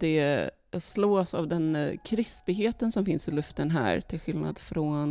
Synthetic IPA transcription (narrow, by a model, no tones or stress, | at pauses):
d̪ɛ | sloːsa̰vd̪ɛnkʰɾɪspɪɦeːt̪ənsɔmfɪnsɪlɵft̪ənɦæ̰ːɾʈ̪ʰɪlɧɪlna̰d̪fɾɔn